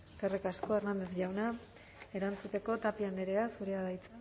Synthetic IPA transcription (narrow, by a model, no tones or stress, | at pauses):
karekasko̞e̞ɾnand̪e̞zʝawna | e̞ɾant͡sut̪e̞ko̞t̪apiand̪eɾeasuɾe̞aðajt͡sa